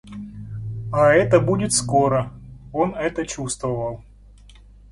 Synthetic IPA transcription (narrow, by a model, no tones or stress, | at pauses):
aɛt̪əbudʲɪt̪skoɾəo̞nɛt̪ət͡ɕust̪vəvəlˠ